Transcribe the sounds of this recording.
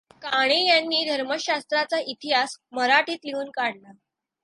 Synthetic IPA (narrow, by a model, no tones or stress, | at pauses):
kaɽ̃ejanːiːd̪ʱəɾməɕast̪ɾat͡saʔit̪iɦasməɾaʈiːt̪liuːnkaɽla